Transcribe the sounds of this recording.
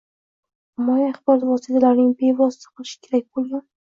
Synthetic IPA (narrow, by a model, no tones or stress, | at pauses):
mɒjiaχbɒɾat̪vɒsit̪ʰalaɾnɪŋbe̞vɒsɪ̥t̪ʰḁqʰɨlˠɪʃɪ̥kʲʰe̞ɾak̚ʲbolˠɡʲan